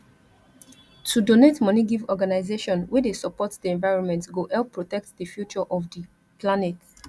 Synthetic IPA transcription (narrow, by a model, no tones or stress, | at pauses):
tʰudonetmɔ̃niɡivɔɡanaɪzeʃɔ̃nwedesɔpɔtd̥iɛ̃nvaɪɹɔ̃nmɛ̃ntɡoʔɛlpʰːɹotɛk̚tdəfjut͡ʃɔʔɔvdə | planɛt